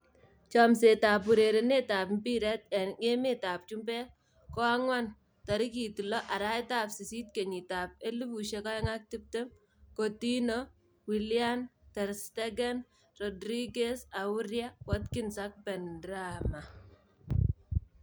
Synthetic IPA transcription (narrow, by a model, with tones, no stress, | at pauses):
t͡ʃɔ˨mse˨ta˨pu˨ɾe˨ɾe˨ne˦ta˨pmbi˦ɾɛ˦tɛ˨nŋe˦mɪ˦ta˨p̚t͡ʃu˦mbɛ˦ | kɔ˦a˦ŋwa˦n | ta˨ɾi˦ki˨ti˨lɔ˦ʔa˨ɾa˦jta˨psi˨si˦t̚ke˨ɲi˨ta˨p̚e˦li˦bu˨ʃe˦ka˦ɛ˦ŋa˦k̚ti˦p̚te˦m | ko˨ti˦nɔ˦ | wi˨lja˦ntɛ˨ɾstɛ˦ɡɛ˦n | rɔ˨dɾi˦ɡe˦sa˨wu˦ɾja˦wɔ˦tkɪ˦nsa˦k̚bɛ˨ndɾama˨